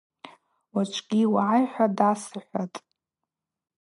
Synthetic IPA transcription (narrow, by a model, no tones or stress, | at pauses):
wat͡ʃʷʰʼɡʲiwaʕajħʷadasɨħʷatʼ